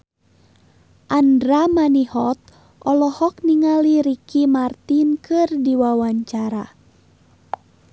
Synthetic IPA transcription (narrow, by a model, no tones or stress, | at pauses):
ʔandɾamanihɔt̪̚ | ʔɔlɔhɔk̚niŋaliɾikimart̪inkɨrdiwawaɲt͡ʃaɾa